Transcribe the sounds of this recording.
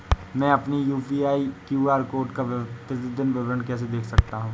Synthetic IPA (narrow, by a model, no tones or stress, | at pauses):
mɛ̃ːɐpnijuːpiːaːikjuːaːɾkoːɾʈkaʋt̪ɪt̪id̪ɪnbɐʋɾəɳkɛːs̬ed̪eːkʰsɐkt̪aɦũː